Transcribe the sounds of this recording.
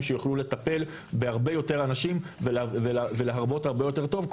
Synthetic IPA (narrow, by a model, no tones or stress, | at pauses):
mʃejuχlule̞t̪ape̞l | behaʁbejo̞t̪e̞ʁanaʃimveveveleɦaʁbo̞thaʁbejo̞t̪e̞ʁt̪o̞vk